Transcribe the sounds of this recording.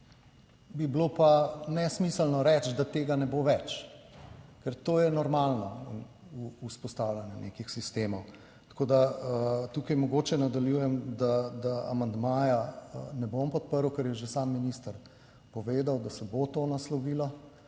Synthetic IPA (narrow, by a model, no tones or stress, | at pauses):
biblopanɛsmisəlnɔɾɛt͡ʃd̪at̪eːɡanɛboʋɛt͡ʃ | kɛɾt̪oːjɛnɔɾmalnɔinː | spɔst̪awlʲjanjɛnḛkixsist̪eːmɔw | t̪ḁkoːd̪at̪ukɐjmɔɡoːt͡ʃɛnad̪aljujɛmd̪ad̪aa̰mand̪maːjanɛbompɔt̪̚pəɾwkɛɾjɛʒesamːinist̪əɾ | pɔʋeːd̪awd̪asɛbot̪oːnaslɔʋiːlɔ